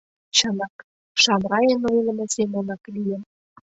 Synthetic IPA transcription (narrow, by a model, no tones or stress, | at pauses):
t͡ɕɤ̆nɑk | ʃɑmrɑjenojlə̆mɤ̆semonɑklijə̆m